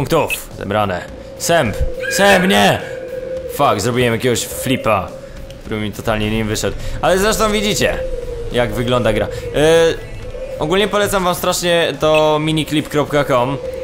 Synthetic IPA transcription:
uŋkt̪uf | zɛ̰bɾanɛ | sɛmpsɛmpɲɛ | fakzɾɔbʲijɛmjakʲɛɡɔɕflʲipa | kt̪uɾɛmʲit̪ɔt̪alɲɛɲimvɘʂɛd̪alɛzɾɛʂt̪ɔ̃w̃vʲid͡ʑit͡ɕɛ̰jaɡvɘɡlɔnd̪aɡɾa̰ | ʔɔɡulɲɛpɔlɛt̪samvamst̪ɾaʂɲɛt̪ɔmʲiɲiklʲipkɾɔpkakɔm

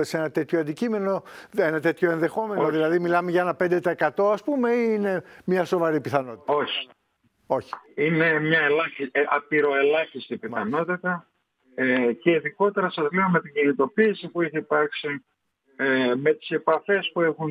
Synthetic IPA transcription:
ese̞nɐt̪e̞t̪çoɐnd̪icime̞no̞e̞nɐt̪e̞t̪ço̞enðe̞xo̞me̞noðilɐðimilɐmeʝɐe̞nɐpe̞nd̪e̞t̪ɐekɐt̪o̞ɐspume̞iine̞mɲɐso̞vɐɾipiθɐno̞t̪i̥t̪o̞çi̥ | o̞çi̥ine̞mɲɐelɐiɐpiɾo̞e̞lɐçist̪ipimθɐno̞t̪it̪ɐ | eceiðiko̞t̪eɾɐsɐzleomet̪iɲɟinit̪o̞piːsipueçeipɐɾksi | me̞t̪i̥se̞pɐfe̞spuexun

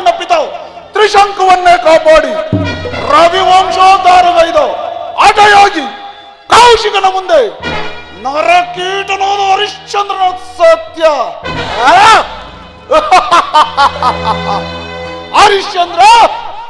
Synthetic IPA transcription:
nːɐpit̪ɐ | t̪ɾiʃɐŋkuʋɐnːekaːpaːɽi | ɾɐʋiʋɐmʃoːd̪aːɾɐɡɐjd̪ɐɐʈɐjaːɡi | kɐwʃikɐnɐmund̪eː | nɐɾɐkiːʈɐnoːd̪ɐɐɾiʂt͡ʃɐnd̪ɾɐnoːd̪sɐt̪jɐ | ɐɾiʂt͡ʃɐnd̪ɾɐ

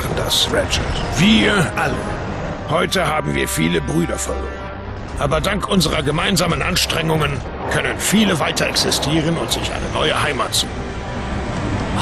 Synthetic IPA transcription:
n̩da̰sʁɛt͡ʃɐtv̥iːɐʔalə̰ | hɔʏtəɦaːbm̩vḭːɐfiːləbʁyːdɐfɔlɡn̩ | ʔaːbɐdaŋkʔʊnzəʁɐɡəmaɪnzaːmənʔanʃtʁ̥ɛŋʊŋən | kʰœnənfiːləvaɪtɐʔɛksɪstʰiːʁ̞ənʊntz̥ɪçʔa̰ɪnənɔʏəɦaɪmaːtz̥uː

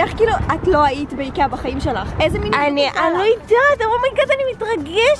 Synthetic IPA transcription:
aχkiːluʔatlo̞aitbeikabaχaimʃelaχezeminaniʔanlojidat̪amulmajkat̪animitʁaɡeʃ

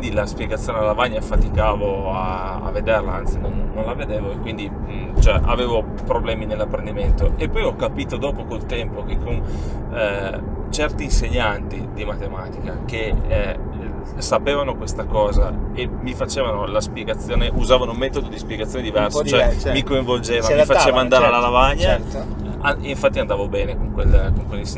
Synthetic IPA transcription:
nd̪ilaspjeɡat̪sːjoːnelavaɲːafat̪ikaːvoa | a̰ved̪erlaant̪sinonːonlaved̪eːvoekwind̪i | t͡ʃoɛʔa̰veːvo | pɾoblɛːminelːapːɾend̪iment̪oepːɔjɔkːapiːt̪od̪ɔːpokolt̪ɛmpokekːon | t͡ʃɛrt̪iːnseɲːant̪id̪imat̪emaːt̪i̥kake | sapeːvanokwest̪akɔːzaemːifat͡ʃeːvanolaspjeɡat̪sːjoːneʔuzaːvanoumɛːt̪od̪od̪ispjeɡat̪sjoːned̪ivɛrsot͡ʃoɛmikoiɱvold͡ʒeːvamiifat͡ʃeːvand̪aːɾealːalavaɲːa | aiɱfat̪ːiand̪aːvobɛːnekoŋkwelkoŋkwelːis

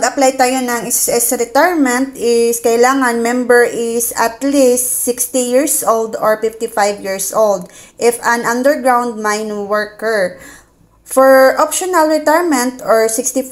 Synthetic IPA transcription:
ɐɡɐplajt̪aːjonɐŋɪsɛsɾɛt̪ajɹmɛ̃nt̪̚ɪskɐɪlaːŋɐnmɛ̃mbɛɹʔɪsɐt̪list̪sɪkst̪ijiɹsʔold̪oɹfɪft̪ifajvjiɹsʔold̪ʔɪfɐ̃nʔɐ̃nd̪ɛɹɡɹawnd̪̚majnwɛɹkɛɹ | fɔɹʔopʃonɐlɹɛt̪ajɹmɛ̃nt̪ɔɹsɪkst̪i

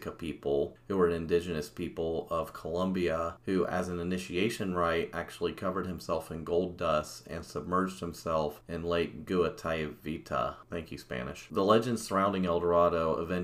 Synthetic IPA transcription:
kəpʰipl̩ˠhuwə˞ɨ̃nɨ̃ndɪd͡ʒɨnɨspʰipl̩ˠʌv̥kʰəlʌ̃mbiəhʉʔɨ̰z̃nɨnɪʃieɪʃɨ̃nɹaɪɾæk̚t͡ʃul̩ˠikʰʌvə˞d̚hɨ̃msɛlˠfɨ̃nɡoʊlˠdʌstɨ̰̃nsəb̚mɜ˞d͡ʒd̚hɨ̃m̩sɛlˠfɨ̃nleɪk̚ɡ̥ʉətʰaɪɨvitʰə̰θæ̃ŋkʰjʉspæ̰nɨ̰ʃðəlɛd͡ʒɨ̃nd̥sə˞ãʊ̃ndɪ̃ŋɛlˠdə˞ɑɾoʊʔə̰vɛ̃n

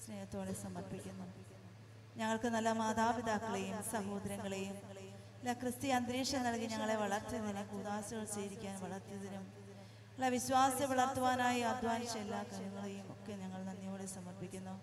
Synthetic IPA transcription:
sne̞ːjɐt̪ːo̞ːɽesɐmɐrpikʲːunːu | ɲɐŋːɐɭkɨnɐlːɐmaːd̪aːʋid̪ʱaːkːɐɭejumsɐɦo̞ːd̪ɐɾjɐŋːɐɭe̞jum | ilːɐkrɨst̪ijeɐnd̪ɾiːʂɐnːɐɭkiɲɐŋːɐɭe̞ʋɐɭɐrt̪iðɐnumkuːðaːsɐɣɐɭt͡ɕeːɾikʲːaːnʋɐɭɐrt̪ijɐðɐnum | ɐlːɐʋiɕʋaːsɐʋɐɭɐrt̪ːuʋaːnaːjiɐd̪ʱʋaːnɕɐmelːaːkɐɾuŋːɐɭe̞jumo̞̰kːeɲɐŋːɐɭnɐnːijo̞ːɽesɐmɐrpikʲːunːu

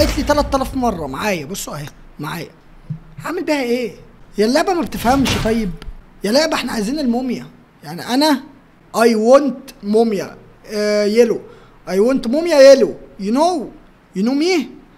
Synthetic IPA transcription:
ʔet̪lit̪ælæt̪ːælæfmɑrˤːɑmaʕaːjæbosˤːoʔæhi | maʕaːjæ̰ | ʕamelbiːhæʔeːjælːæʔbæmæbet̪efhæmʃt̪ˤɑjːeb | jælːæʔbæʔeħnæʕajziːnelmomjæ | jaʕniʔænæ | ʔɑjwont̪momjæ̰ | jelo | ʔɑjwont̪momjæjelojenow | jenuːmiːh

